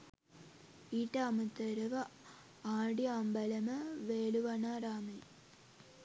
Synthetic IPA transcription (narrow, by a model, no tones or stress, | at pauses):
iːʈːɐɐmɐt̪ːɐɾɐʋɐ | aːɽiambɐlɐmɐʋeːluʋɐnaɾaːmil